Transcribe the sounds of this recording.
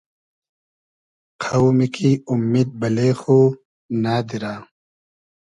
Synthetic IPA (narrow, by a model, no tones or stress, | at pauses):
qʰɐwmikʰiumːid̪̚bɐleːxoː | naːd̪iɾaː